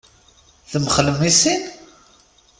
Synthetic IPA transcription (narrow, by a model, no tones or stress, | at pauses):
θəməχələmːisin